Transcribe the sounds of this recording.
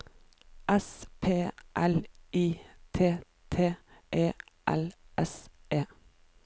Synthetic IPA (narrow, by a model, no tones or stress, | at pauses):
ʔɛspʰeːʔæliːt̪ʰeː | t̪ʰeːʔeːʔæ̰lʔɛseː